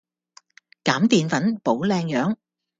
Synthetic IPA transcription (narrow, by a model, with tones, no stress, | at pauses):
kaː˨˥mt̪iː˨nfɐ˨˥npo˨˥wlɛː˧ŋjœː˨˥ŋ